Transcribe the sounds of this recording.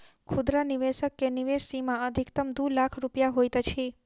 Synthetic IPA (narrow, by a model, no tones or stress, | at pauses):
kʰud̪ɾaniʋeʃəkːeniʋesimãəd̪ʱikt̪əmd̪ulakʰɾupjaɦojt̪ət͡ʃʰi